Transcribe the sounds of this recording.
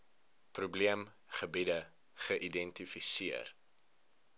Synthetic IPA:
prubliəm | χəbidə | χəʔidɛntifisiər

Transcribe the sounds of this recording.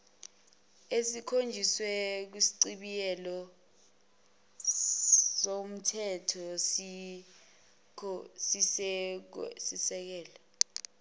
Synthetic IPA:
esikʰond͡ʒʱiswɛk̬wisi̥ǀiɓijɛlɔ | som̩tʰɛtʰɔsi | si | sisɛk̬ɛːlɔ

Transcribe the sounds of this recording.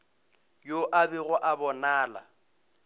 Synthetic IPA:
joʔabɪɣʊʔabɔnaːla̰

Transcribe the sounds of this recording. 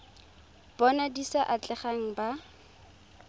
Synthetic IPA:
b̥ɔnadisaʔat͡ɬʼɛχaŋ̩ba

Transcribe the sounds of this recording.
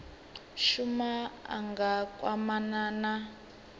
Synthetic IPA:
ʃumaa̰ŋɡakʼwamanana

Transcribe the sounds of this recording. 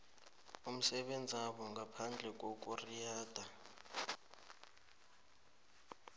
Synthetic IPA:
um̩sɛɓend͡zʱiaɓɔŋɡʱapʰand͡ɮʱɛk̬ʼok̬ʼurijaːd̥ʱa

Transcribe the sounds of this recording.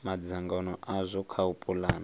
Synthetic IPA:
mad͡zaŋɡanɔʔazʷɔkʰaupʼulaːna

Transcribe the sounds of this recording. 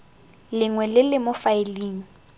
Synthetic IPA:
lɪŋwɛlɪlɪmʊfaeliːŋ̩

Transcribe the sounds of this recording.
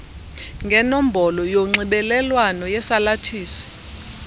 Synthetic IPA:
ŋɡʱɛnom̩bʱɔlɔjoŋ͡ǀiɓɛlɛlwanɔjɛsalatʰiːsi̥

